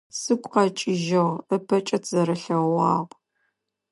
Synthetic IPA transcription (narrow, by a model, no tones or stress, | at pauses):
sɨkʷʼqɐt͡ʃʼɪʒɐʁəpʰɐt͡ʃʼɐtʰz̥ɐɾɐɬɐʁɑːʁʷ